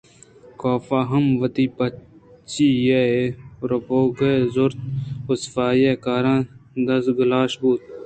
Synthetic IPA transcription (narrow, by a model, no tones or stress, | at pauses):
kaːfaːɦɐmʋɐt̪iːpɐt͡ʃijeeɾɐboːɡezoɾt̪̚ʊsfaːjeːkaːɾãːd̪ɐsɡʊlaːʃbuːt̪̚